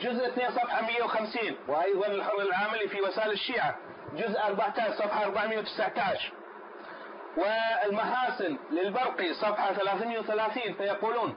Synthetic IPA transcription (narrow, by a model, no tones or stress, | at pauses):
d͡ʒʊzʔθneːnsˤɑfħamɪjːawxamsiːnwʔɑjðˤɑnɪlħɑɾˤːɪlʕaːmɪlifiwɪsaːʔɪlɪʃːiːʕa | d͡ʒʊzʔʔɑɾˤbaʕt̪aːʃsˤɑfħɑʔɑɾˤbaʕmɪjːawt̪ɪ̥saʕt̪aːʃ | wɪɪlmaħaːsɪnlɪlbɑɾqisˤɑfħɑθalaːθmɪjawθalaːθiːnfajɑquːluːn